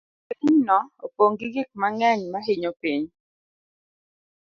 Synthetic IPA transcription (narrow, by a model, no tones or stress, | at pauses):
pɲnɔopoŋɡiɡɪk̚maŋɛɲmaɦiɲopiɲ